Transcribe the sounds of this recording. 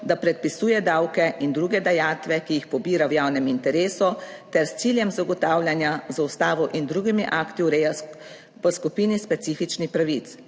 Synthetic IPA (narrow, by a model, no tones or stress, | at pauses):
d̪apɾɛt̪̚pisuːjɛd̪aːwkɛʔind̪ɾuːɡɛd̪ajaːt̪ʋɛkijixpɔbiːɾawjaːwnɛmint̪ɛɾeːsɔt̪ɛɾst̪siːljɛmzaɡɔt̪aːwlʲjanjazaust̪aːʋɔʔind̪ɾuːɡimiʔaːkt̪iuɾɛja | pəskupiːnispɛt̪siːfit͡ʃnixpɾaʋit̪